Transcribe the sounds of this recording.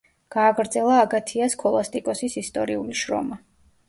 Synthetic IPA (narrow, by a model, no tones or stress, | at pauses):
ɡ̥aːɡɾd̪zɛlˠaːɡat̪ʰiaskʰɔlˠast̪ʼikʼɔsisist̪ʼɔɾiuliʃɾɔ̰ma